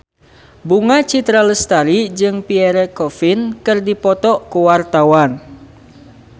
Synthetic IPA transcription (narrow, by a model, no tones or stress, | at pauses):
buŋat͡ʃit̪ɾaləst̪aɾid͡ʒɨŋpiɛɾɛkɔfinkɨrdipɔt̪ɔkuwart̪awan